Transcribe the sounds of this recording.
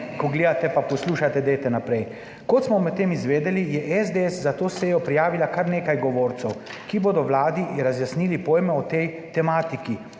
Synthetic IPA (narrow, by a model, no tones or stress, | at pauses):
kɔɡleːd̪at̪ɛpapɔsluːʃat̪ɛd̪ejt̪ɛnapɾɛj | kɔt̪smɔmɛt̪t̪ːeːmizʋeːd̪ɛlijɛʔɛzd̪eɛszat̪oːseːjɔpɾijaːʋilakaɾneːkajɡɔʋoːɾt̪sɛw | kiboːd̪ɔwlaːd̪iɾazjasniːlipoːjmɛɔt̪ɛj | t̪ɛmaːt̪iki